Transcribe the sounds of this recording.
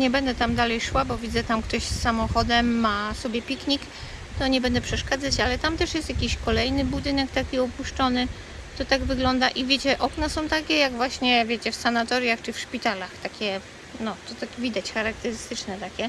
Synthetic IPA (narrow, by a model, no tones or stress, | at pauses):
ɲɛbɛnd̪ɛt̪amd̪alɛjʂwabɔvʲid̪zɛt̪amkt̪ɔɕsːamɔxɔd̪ɛmːasɔbʲjɛpʲikɲik | t̪ɔɲɛbɛnd̪ɛpʂɛʂkad̪zat͡ɕalɛt̪amt̪ɛʂjɛst̪jakʲiɕkɔlɛjnɘbud̪ɘnɛkt̪akʲiɔpuʂt͡ʂɔnɘ | t̪ɔt̪aɡvɘɡlɔnd̪aʔivʲjet͡ɕɛʔɔknasɔ̃w̃t̪akʲɛjaɡvwaɕɲɛvʲjet͡ɕɛfsanat̪ɔɾjaxt͡ʂɘfʂpʲit̪alaxt̪akʲɛ | nɔt̪ɔt̪akvʲid̪at͡ɕxaɾak̚t̪ɛɾɘst̪ɘt͡ʂnɛt̪akʲɛ